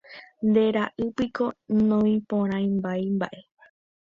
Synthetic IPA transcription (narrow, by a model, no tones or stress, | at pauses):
nd̪e̞ɾaʔɨpiko̞nõĩpõɾ̃ãj̃mbajmba̰ʔe̞